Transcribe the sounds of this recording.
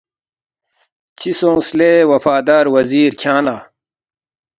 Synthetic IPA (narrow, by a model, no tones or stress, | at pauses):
t͡ɕʰisõːslewɐfaːd̪aːɾwɐziːɾkʰãːnaː